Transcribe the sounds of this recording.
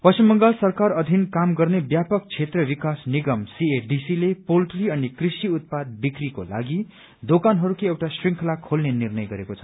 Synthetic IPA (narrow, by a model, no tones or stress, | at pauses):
pʌsimːʌŋɡalsʌrkarʌd̪ʱinkamɡʌrnebjapʌk̚t͡sʰet̪rʌbikasniɡʌmsieɖisilepolʈriʌnikrisiut̪̚pad̪̚bikriko̰la̰ɡi | d̪okanɦʌɾukiewʈasriŋkʰlakʰolnenirnʌjɡʌɾekot͡sʰʌ̥